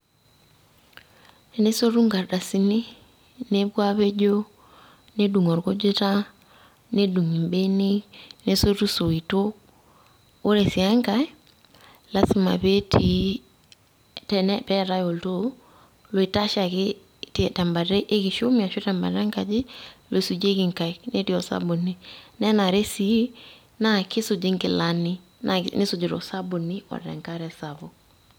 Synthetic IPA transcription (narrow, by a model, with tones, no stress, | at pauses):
ne˦so˦ɾu˦ŋɡa˨ɾda˨si˨ni˦ | ne˦bwa˦βe˦d͡ʒo˦ | ne˦du˨ŋɔ˨ɾko˦d͡ʒe˦ta˦ | ne˦du˨ŋi˨mbe˦ni˦ne˦so˦ɾu˦so˨i˨to˦ | ɾe˨si˨a˦ŋɡa˨˦ | la˦si˨ma̰˨βe˦tʰi˨ | tɛ˨nɛ˦pɛ˦ɾa˦jo˨lto˦ | lo˨i˨ta˦ʃa˨kɪ | ti˨ta˨mba˨ɾe˦ʔe˦ki˨ʃu˦mia˨ʃu˦ta˨mba̰˨ɾa˦ŋka˨d͡ʒi˦lʔo˨i˨su˨d͡ʒe˦ki˨ŋka˨jne˦ti˨ɔ˨sa̰˦bo˨ni˦nɛ˦na˨ɾe˦si˦ | na˦kɪ˦su˨d͡ʒi˦ŋkɪ˨lani˦ | nanɪ˦su˨d͡ʒi˨ɾo̰˨sa˦bo˨ni˦ɔ̰˨ɾɛ̰˨ŋkaɾɛ˨sa˨bo˨